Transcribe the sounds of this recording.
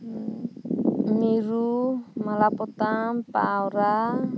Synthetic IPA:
ŋiɾumalapɔt̪apa̰ːɔɾa

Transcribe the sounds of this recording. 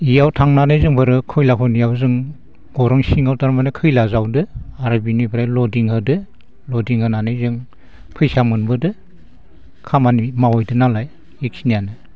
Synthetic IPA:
ijawtʰaŋnanɯjzɯŋbɯɾɯkʰɯjlapʰɔnijawzɯŋ | ɡ̥ɔɾɯŋsiŋawtaɾmanɯkʰɯjlazawdɯaɾabinibʰɯɾajlɔdiŋhɯdɯ | lɔdiŋhɯnanɯjzɯŋ | pʰɯjsamɯnbɯdɯ | kʰamanimawɔjdɯnalaj | iksinijanɯ

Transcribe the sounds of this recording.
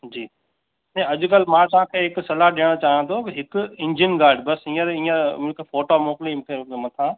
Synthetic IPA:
d͡ʑiː | nẽɐʄʊkɐl̤mãːt̪ɐʋ̤ãːkʰeːɦɪksɐlaɗiːəɽ̃t͡ɕaːɦt̪ʰokɦɪkʊɪ̃ɲd͡ʑinɡaːɾɖbɐsĩːəɾĩːəmkefoːʈomoːklimtʰemɐt̪ʰãː

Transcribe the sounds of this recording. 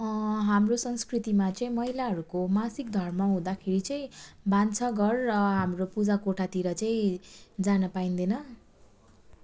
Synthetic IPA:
ɦamrosʌŋskrit̪imat͡sʌĩmʌɦilaɦʌɾukomasik̚d̪ʱʌrmʌɦũd̪akʰeɾit͡sʌĩbant͡sʰʌɡʌrːʌɦamropud͡zakoʈʰat̪iɾʌt͡sʌĩd͡zanʌpaind̪ʌnʌ

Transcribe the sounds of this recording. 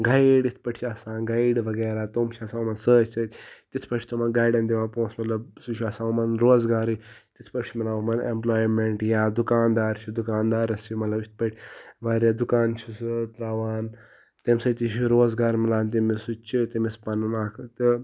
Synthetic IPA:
ɡaiɖit̪ʰpɐʈʰt͡ʃʰiasãːnɡaiɖʋɐɡeːɾaːt̪omt͡ʃʰiɐsãːmɐnsəːt͡ʃʰsɐtʲt̪it̪ʰpɐʈt͡ʃʰit̪omɐnɡaːiɖɐnd̪iʋaːnpõːsmɐt̪lɐbsut͡ʃʰɐsãːumɐnɾoːzɡaːɾit̪it̪ʰpɐʈʰʲt͡ʃʰimilaːumɐnḛmplaːjmeɳʈjaːd̪ukaːnd̪aːɾt͡ʃʰud̪ukaːnd̪aːɾɐsimɐt̪lɐbit̪̚ʰpɐʈʰʲʋaːɾjad̪ukaːnt͡ʃʰust̪ɾaːʋaːn | t̪eːmsɐt̪iʃiɾoːzɡaːɾmilaːnt̪imisut͡ʃʰit̪imispɐnunaːkʰt̪i

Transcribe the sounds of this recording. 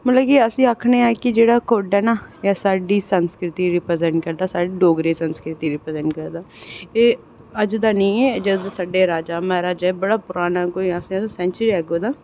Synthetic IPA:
mət̪ləbkiəsĩːaːkʰneːaːkɪd͡ʒeːɽaːkoːɖɛːnaːjasaːɖiːsənskɾɪt̪iːɾɪpɾəzɛ̃ɳʈ̚kəɾd̪aːsaːɖiːɖoːɡɾeːsənskɾɪt̪iːɾɪpɾəzɛ̃ɳʈ̚kəɾd̪aːeː | əd͡ʒd̪aːnəĩːɛːd͡ʒəd̪asaɖeːɾaːd͡ʒaːmɛːɾaːd͡ʒɛːbəɽaːpʊɾaːnaːkoːiasĩːsosɛ̃ːnt͡ʃəɾiːɛːɡoːd̪aː

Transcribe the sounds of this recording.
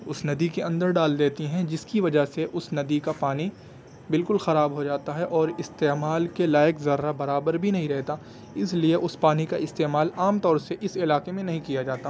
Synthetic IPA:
ʊsnɐd̪ikeɐ̃nd̪əɾɖaːld̪eːt̪iɦɛ̃d͡ʒɪskiʋɐd͡ʒaɦseʔʊsnɐd̪ikapaːni | bɪlkʊlxɐɾaːbɦod͡ʒaːt̪aɦɛʔɔːɾɪst̪eːmaːlkelaːjɪəkzɐɾːabɐɾaːbəɾbʱinɐɦĩɾɛɦt̪a | ɪslieʔʊspaːnikaɪst̪eːmaːlaːmt̪ɔːɾseʔɪsɪlaːkemẽnɐɦĩkijad͡ʒaːt̪a

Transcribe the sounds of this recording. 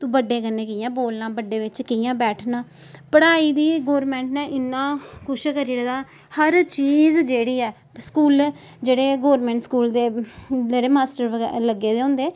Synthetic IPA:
t̪ũːbəɖːeːkənːeːkɪjãːboːlnãːbəɖeːʋɪt͡ʃkɪjãːbɛːʈʰnaː | pəɽaːiːd̪iːɡoːɾmɛ̃ːɳʈnãːʔɪnːãːkʊʃkəɾiɽad̪aː | həɾt͡ʃiːzd͡ʒeːɽiːɛː | skuːl | d͡ʒeːɽeːɡoːɾmɛ̃ːɳʈskuːld̪eːd͡ʒeːɽeːmaːsʈəɾləɡeːd̪eːɦʊ̃ːnd̪eː

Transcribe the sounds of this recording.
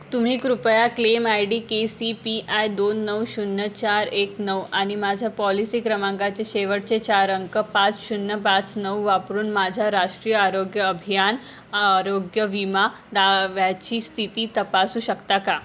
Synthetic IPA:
t̪um̤iːkɾupəjaklemajɖiːkesipiʔajd̪onːəwɕunːət͡ɕaɾeknəwañimad͡ʑʱjapɔlisiːkɾəmãŋɡat͡seɕeʋəʈt͡set͡ɕaɾəŋkəpãt͡sɕunːəpãt͡snəwʋapɾuːnmad͡ʑʱjaɾaʂʈɾijəaɾoɡjəːbʱijan | aɾoɡjəʋima | d̪aʋjat͡ɕiːst̪ʰit̪iːt̪əpasuːɕəkt̪aka

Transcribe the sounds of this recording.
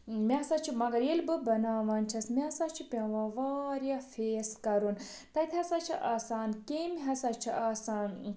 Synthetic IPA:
mʲeɐsaːt͡ʃʰimɐɡɐɾjelbɨbɐnaːʋɐːnʲt͡ʃʰɐsmeɐsaːt͡ʃʰipʲɐʋɐʋaːɾjaːfeːskɐɾun | t̪ɐt̪ʰʲɐsaːt͡ʃʰiʔaːsaːnkemʲiɦɐsaːt͡ʃʰiʔaːsaːn

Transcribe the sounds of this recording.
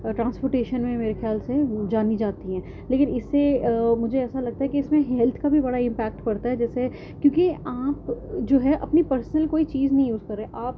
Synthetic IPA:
ʈɾãːnspoːɾʈeːʃənmẽmeːɾexjaːlsed͡ʒaːnid͡ʒaːt̪iɦɛ̃ː | leːkɪnɪsːemʊd͡ʒʱeɛːsalɐɡ̚t̪aɦɛkiɪsmẽɦɛːlt̪ʰkabʱibɐɽaɪ̃mpɛːk̚ʈpɐɾt̪aɦɛd͡ʒɛːse | kjõːkiaːpd͡ʒoːɦɛʔɐpnipɐɾsnəlkoːit͡ʃiːznɐɦĩjuːzkɐɾːeːʔaːp

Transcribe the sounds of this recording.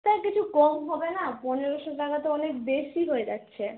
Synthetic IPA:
t̪akit͡ɕʰukɔmɦɔbenapɔneɾoʃodakat̪eɔnekbeʃiɦoed͡ʑa̰tːɕʰe

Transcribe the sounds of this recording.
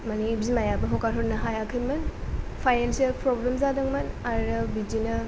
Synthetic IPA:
manibzimajabɐɦɔkaɾɦɔɾnɐɦajakʰɐjmɐnpʰajnensɐlpɾoblemzadɯŋmɐnaɾɐbid͡ʒinɐ

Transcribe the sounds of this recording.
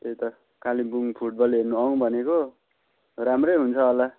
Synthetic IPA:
t̪et̪ʌ | kalibuŋpʰuʈ̚bʌlɦernuʌŋbʱʌneko | ramrʌjɦunt͡sʰʌːla

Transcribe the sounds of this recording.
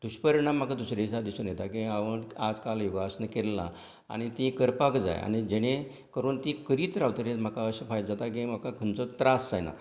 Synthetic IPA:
d̪̥uɕpəɾɳam̤akad̪usɾesad̪isunjet̪akĩaʋənad͡zkalʋibʱasənkelːa̰ | a̰ɽ̃it̪ĩkəɾpakd͡za̰ja̰nid͡ʑeɽ̃ẽ | kəɾuːnt̪ĩkəɾiːt̪ɾaʋt̪əɾem̤əkaəɕəfajt̪d͡zat̪akĩm̤akakʰənt͡sɔt̪ɾasd͡zajna̰

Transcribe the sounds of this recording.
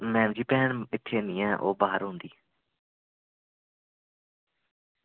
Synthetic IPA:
mɛ̃ːmd͡ʒiːpɛːnɪt̪ʰːeːnɪ̃ːɛ̃ːʔoːbaːɦəɾɦʊnd̪iː

